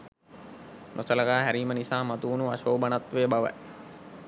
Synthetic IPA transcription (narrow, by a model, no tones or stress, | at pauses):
nʔosələɡaːɦæɾiːmənisaːmat̪uːnuaʃoːbənat̪ʋejəbaʋə̰